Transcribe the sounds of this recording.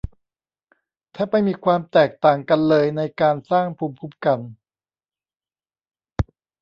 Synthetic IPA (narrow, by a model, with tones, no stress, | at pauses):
t̪ʰɛː˥˩pa˧jmiː˧kʰwaː˧mt̪ɛː˨˩k̚t̪aː˨˩ŋka˧nlɤː˧jna˧jkaː˧nsaː˥˩ŋpʰuː˧mpʰu˦˥˩p̚ka˧n